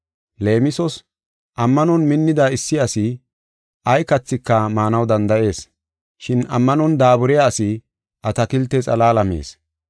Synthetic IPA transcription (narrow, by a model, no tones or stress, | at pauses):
le̞ːmɪsɔs | ʔɐmːɐnɔnmɪnːɪd̪aɪsːɪɐsɪ | ʔɐjkɐt͡sːɪkːɐmaːnɐwd̪ɐnd̪ɐʔe̞ːs | ʃɪnɐ̰mːɐnɔnd̪aːbʊɾɛjaːsɪ | ʔɐt̪ɐkɪlt̪ːɛt͡sʼɐ̰laːlɐmḛːs